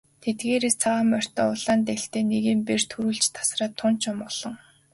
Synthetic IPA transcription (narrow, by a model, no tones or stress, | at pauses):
t̪ʰet̪̚ɡeːɾest͡sʰaʁamœr̥t̪ɔːʊɮaːnt̪eɬt̪eːneɣiːmpert̪ʰuɾuːɮt͡ɕt̪ʰḁsraːt̪ʰːʊn̥t͡ɕʊ̆mɔɮ̥ɞ̆ŋ